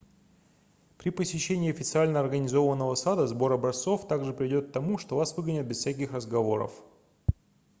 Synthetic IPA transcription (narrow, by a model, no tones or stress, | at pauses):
pɾʲɪpəsʲɪɕːenʲɪiːɐfʲɪt̪sɨalʲnəɐrɡənʲɪzo̞vənːəvəsad̪əzbo̞ɾɐbɾɐst̪so̞ft̪aɡʐɨpɾʲɪɪdʲo̞t̪̚t̪ːɐmuʂt̪o̞vasvɨɡənʲɪt̪̚bʲɪssʲak̬ʲixrəzɡɐvo̞ɾə̰f